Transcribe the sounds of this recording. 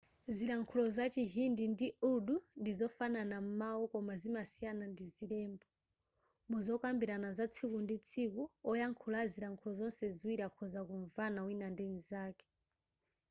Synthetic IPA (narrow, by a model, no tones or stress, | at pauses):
ziɾaŋkʰulɔzat͡ʃiɦindindiuɗundizɔfananam̩mawukɔmazimasijanandizilɛːmbɔ | muzɔkambiɾanazat͡sʰikundit͡sʰikuɔjaŋkʰulaziɾaŋkʰulɔzɔnsɛziwiɾakʰɔzakuɱvanawinandɛnizaːkɛ̥